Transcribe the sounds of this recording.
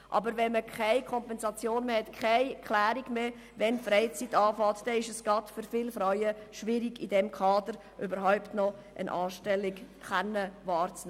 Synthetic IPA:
ʔɑ̰bəɾvɛnməkʰaɪkʰɔmpɛnzɑt͡sjoːnmeːhɛtkʰaɪkʰlæːɾiɡmeː | vɛnfɾɛɪt͡sitːɑːfɑːtd̥ɛɪʃəsɡ̥ɑtfʏɾfɪlfɾajəʃʋɪɾiɡidɛmkʰɑːdəɾ | ʔybəɾɦaʊptnɔ | ʔə̰nʔɑːʃtɛlːɪɡ | χanːəvɑːɾt͡snɛ

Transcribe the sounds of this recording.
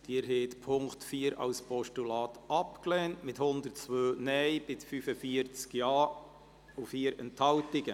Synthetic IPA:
d̥iːəɾɦeːtpʰʊŋktfiːəɾɑ̰lspɔʃtulɑːt̪ʔɑpklɛːntmɪthʊnd̪əɾtt͡sʋøːnɛjb̥ɪsfyfəfiəɾt͡skjɑː | ufiːəɾɛ̰nthɑltɪɡ̥ə

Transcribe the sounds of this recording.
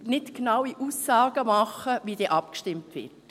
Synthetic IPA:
nɪtknɑwiʔuːsːɑːɡ̥əmɑχəʋidɛːʔɑp̚kʃtɪmtʋɪ̰ɾt

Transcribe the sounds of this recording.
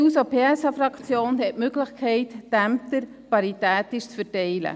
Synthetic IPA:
usopʰeːɛsɑfɾɑkt͡sjoːnɦɛtmøɡlɪχkʰɛɪt̪d̥æmp̚t̪əɾ | pɑɾit̪æːt̪ɪʃt͡sfəɾtɛɪlə̰

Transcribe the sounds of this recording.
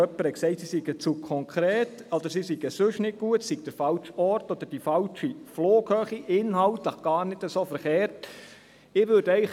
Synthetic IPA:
œpːəɾəksɛɪtsisiɡət͡sukʰɔŋkʰɾeːtɔd̪̥əɾsisiɡ̥əsɵʃnɪt̚ɡ̥uətsiɡ̚d̥əɾfɑlt͡ʃɔɾtɔd̥̪əɾd̥ifɑlt͡ʃifloːkhœːχiʔɪnhɑltləχɡ̥ɑːɾnɪdəsoːfəɾχeːɾt | ɪʋʏd̥œɪ

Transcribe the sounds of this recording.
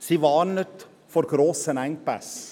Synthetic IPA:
sivɑːnət | fɔɾɡ̥ɾoːsənæŋpæ̰s

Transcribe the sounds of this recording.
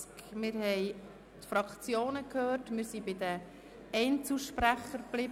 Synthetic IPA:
kmɪɾhɛɪj | t̪fɾɑkt͡sjoːnəkhøːtmɪːɾsibɪd̪ə | ɛɪnt͡suʃpɾæχəɾb̥lɪb

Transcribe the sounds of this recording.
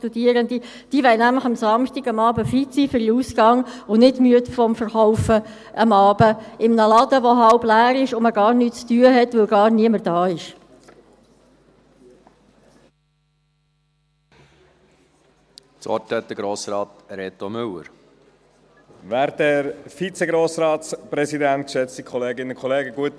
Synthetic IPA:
tud̥̪iəɾənd̪i | d̥iʋɛɪnæmləχɑmsɑmʃtiɡɑmɑːbəfitsiːfʏɾiuːsɡ̥ɑŋʊnɪtmyət̪fɔmfəɾχɔʊfə | ʔəmɑːbəɪmnəlɑd̪əʋɔɦɑlblæːɾɪʃʊməɡɑːɾnyːt͡st̪yːəɦɛt̪ʋɵlɡɑːɾniəməɾd̥ɑːɪʃ | t͡sɔ̰tɛt̚əɡɾoːsɾɑːt̪ɾɛt̪omʏlːə̰ɾ | ʋæːɾdɛɾfit͡seɡɾoːsɾɑːtspɾɛsid̪ænt̪̚kʃɛt͡st̪ikʰɔleːɡɪnənkʰɔleːɡəɡuət

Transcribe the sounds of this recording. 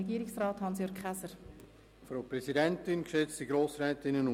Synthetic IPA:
ɛɡiːɾɪksrɑːthɑnsjøːɾkχæsəɾ | fɾoʊpɾɛzidɛntɪnkʃɛt͡stiɡɾoːsɾɛːtɪnənʊ

